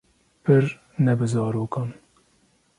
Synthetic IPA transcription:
pʰɨɾ | nɛbɨzɑːɾoːkɑːn

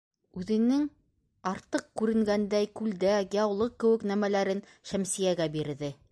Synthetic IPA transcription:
ʉðɘ̆nɘŋ | ɑɾt̪ɤqkʉɾɘ̆ŋɡænd̪æjkʉld̪æɡʲɑwlˠɤq̚kːɘ̆wɘ̆knæmælæɾɘn | ʃæmsijæɡæbiɾðɘ

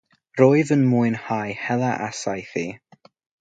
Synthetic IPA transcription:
roːɨðənmuɨnhajhɛlˠaʔasajθiː

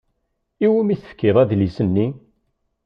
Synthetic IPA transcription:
iwimiθə̥fkːɪðˤæðlisənːi

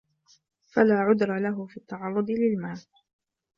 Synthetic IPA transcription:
falaːʕʊd̪ɾˤɑlaɦʊfiːt̪ːɑʕɑrˤːʊd̪ˤɨlɪlmaːl

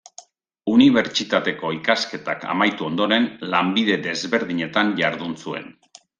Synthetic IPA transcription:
uniβ̞e̞ɾt͡ʃit̪at̪e̞ko̞ikaske̞t̪a̰ka̰majt̪uo̞nd̪o̞ɾe̞nlambiðe̞ðe̞zβe̞ɾðiɲe̞t̪anʝaɾðunsue̞̰n

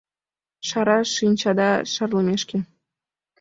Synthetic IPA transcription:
ʃɑɾɑʃinʲt͡ɕɑd̪ɑʃɑrləmeʃke

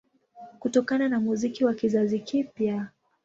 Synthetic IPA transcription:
kutɔkananamuzikiwakizazikipja

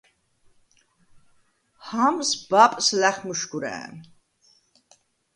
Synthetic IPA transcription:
hamsbapʼslæχmuʃɡuɾɛ̰n

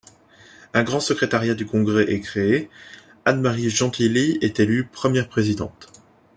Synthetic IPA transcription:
ɛ̃ɡʁɑ̃səkχet̪aʁjad̪ykɔ̃ɡʁɛʔɛkχee | anmaʁiʒɑ̃t̪ʰiliɛt̪elypχəmjɛʁpχezid̪ɑ̰̃t̪

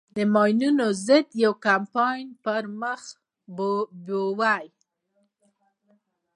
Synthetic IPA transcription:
d̪əmɑjnunozəd̪jawkampɑjnpəɾməx | bbowaj

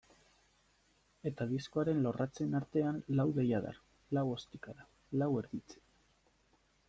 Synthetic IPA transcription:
e̞t̪aðisko̞aɾe̞nlo̞rat͡se̞naɾt̪e̞anlawðe̞jað̞a̰r | lawo̞st̪ikaɾa | lawe̞ɾðit͡se̥

